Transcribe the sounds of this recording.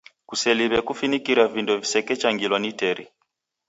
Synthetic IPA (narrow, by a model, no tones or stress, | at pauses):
kusɛliβɛkufinikiɾavindɔvisɛkɛt͡ʃaŋɡilwanitɛɾi